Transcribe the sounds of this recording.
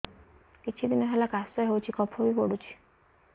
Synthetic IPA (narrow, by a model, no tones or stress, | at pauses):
kit͡ʃʰid̪inɔɦelakasɔɦewt͡ʃʰikɔpʰobipɔɽut͡ʃʰi̥